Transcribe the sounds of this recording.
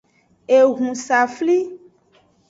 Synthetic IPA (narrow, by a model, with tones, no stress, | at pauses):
e˨ɣũ˨sa˨fli˦